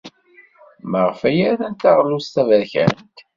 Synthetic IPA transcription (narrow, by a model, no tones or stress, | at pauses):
məʁfæjææθænt̪ɑʁlust̪ævæɾçæ̰nt̪